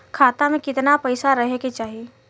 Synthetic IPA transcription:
kʰaːt̪amẽkɪt̪napɐɪsaɾɐɦeket͡ʃaːɦi

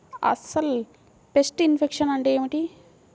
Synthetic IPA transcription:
ɐ̰sɐl | pesʈinfʰekʂɐnɐɳɖeemiʈi

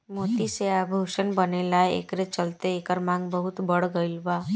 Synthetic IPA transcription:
moːt̪iseabʱoʃənbənelaeḛkɾet͡ʃəlt̪eːkəɾmãŋɡbəɦʊt̪bəɽɡəilba

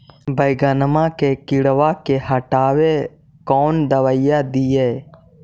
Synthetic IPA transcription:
bʱəjɡaːnəmãkekɪɽʋakehəʈaːwe | kɔːnd̪əʋəɪjad̪ijeː

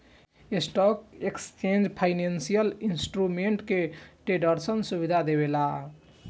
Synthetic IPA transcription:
esʈɔkekst͡ʃend͡ʒpʰaɪnensijəlinsʈɾumeɳʈkeʈeɖəɾsənsuβid̪ʱad̪eβela

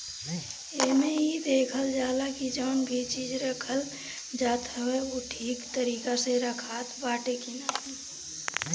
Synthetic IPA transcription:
emẽid̪eːkʰəld͡ʒaːlakid͡ʒəːnbʱit͡ʃiːd͡ʒɾəkʰəl | d͡ʒaːt̪ɦəweoʈʰiːkt̪əɾiːkaseɾəkʰaːt̪baːʈekina

